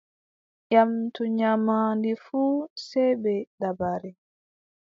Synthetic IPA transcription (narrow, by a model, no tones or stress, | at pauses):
ʔamtuɲamaːndifuːsɛjbɛɗabaɾɛ